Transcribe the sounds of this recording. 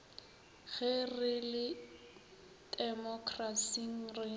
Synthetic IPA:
ɣɛrɪlɪ | dɛmɔkʰrasiŋ̩rɪ

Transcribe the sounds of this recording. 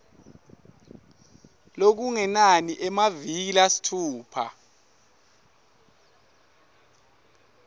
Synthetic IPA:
lok̬uŋɛnaniʔɛmaviilasi̥tʰuːpʰa̰

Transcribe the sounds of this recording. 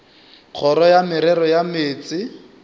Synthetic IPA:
k͡xʰɔɾɔjamɪɾɛɾɔjameːt͡sɪ

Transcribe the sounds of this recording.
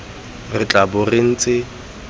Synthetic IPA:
rɪt͡ɬʼabʊreŋ̩t͡sʼɪ

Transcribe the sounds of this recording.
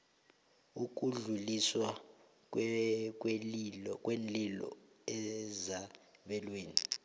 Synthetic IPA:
uk̬ʼuɮuliswa | k̬ʼwɛlk̬ʼwenlilɔ̰ | ɛzaɓɛlweːni

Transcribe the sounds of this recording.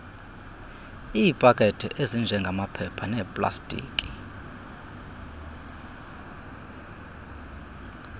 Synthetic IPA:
iːpʼakʼɛtʼʰḭʔezind͡ʒʱɛŋɡʱamapʰɛpʰanɛːpʼla̰stʼḭːkʼi

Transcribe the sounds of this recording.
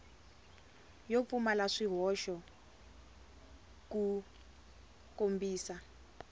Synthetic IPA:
jofumalaʂiɦɔʃɔ | ku | kombiːsa

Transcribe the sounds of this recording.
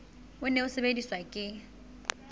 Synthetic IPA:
ʊneʊsebediswakʼɪ

